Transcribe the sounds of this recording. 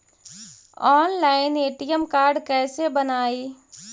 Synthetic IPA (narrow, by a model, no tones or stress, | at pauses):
ɔːnlaːɪneːʈijəmkaːɾɖkɛːsebənaːiː